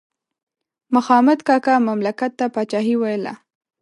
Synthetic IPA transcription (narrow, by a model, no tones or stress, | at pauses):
mʊxɑmad̪kɑkamamlakat̪ːapɑt͡ʃɑɦiwajla̰